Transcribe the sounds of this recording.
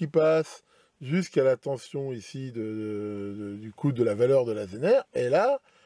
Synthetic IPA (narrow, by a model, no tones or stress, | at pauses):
ipas | ʒyskalat̪ɑ̃sjɔ̃isid̪əəd̪əd̪ykʰud̪əlavalœʁd̪əlazenɛʁela